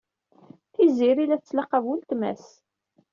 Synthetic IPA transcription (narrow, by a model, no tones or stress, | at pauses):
θiziɾilæθt͡sːlɑqːɑvwʊlt̪mæ̰s